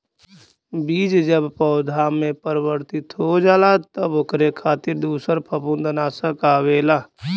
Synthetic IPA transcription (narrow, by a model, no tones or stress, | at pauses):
biːd͡ʒd͡ʒəbpɔʊd̪ʱaːmːẽpəɾəwəɾt̪ɪt̪ɦod͡ʒaːlat̪əbʊkʰɾekʰaːt̪ɪɾd̪uːsəɾpʰɐpũnd̪ənaːsəkaːʋeːlaː